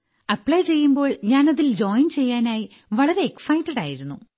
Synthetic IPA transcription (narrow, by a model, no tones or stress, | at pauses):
ɐpːɭɐjt͡ɕe̞jːumbo̞ːɭɲaːnɐðild͡ʑo̞ːjnt͡ɕe̞jːaːnaːji | ʋɐɭɐɾe̞ːksɐjtːɐɽaːjiɾunːu